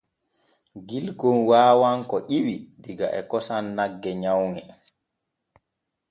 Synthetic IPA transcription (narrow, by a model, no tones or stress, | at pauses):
ɡilɡɔnwaːwaŋkɔʔiwidiɡa̰ʔɛkɔsanːaɡːɛɲawŋɛ